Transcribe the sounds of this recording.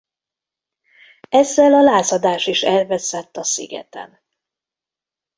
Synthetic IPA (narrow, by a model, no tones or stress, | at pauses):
ɛzːɛlɒlaːsɒd̪aːʃiʃɛlvɛsɛt̪ːɒsḭɡɛ̰t̪ɛ̰n